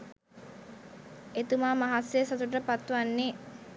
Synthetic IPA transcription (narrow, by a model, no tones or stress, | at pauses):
et̪umaːmaɦasesat̪uʈəpat̪ːʋanːe